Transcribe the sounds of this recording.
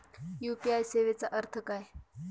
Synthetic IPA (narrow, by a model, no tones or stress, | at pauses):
jupiajseʋet͡saʔəɾt̪ʰəkaj